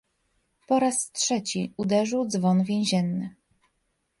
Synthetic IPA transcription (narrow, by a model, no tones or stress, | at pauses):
pɔɾastʂɛt͡ɕiud̪ɛʐɘwd̪zvɔnvʲjẽw̃ʑɛnːɘ